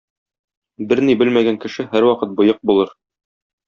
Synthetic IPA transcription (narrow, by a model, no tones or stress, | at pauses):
bɘɾnibɘlmæɡæŋkɘ̆ʃɘhæɾwɒqɤt̪̚bɤ̆jɤq̚bulˠɤɾ